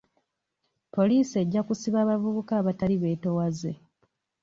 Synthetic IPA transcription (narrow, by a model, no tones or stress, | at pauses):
po̞liːsie̞ɟːakusiβaːβavuβukaːβataliβe̞ːto̞waze̞̰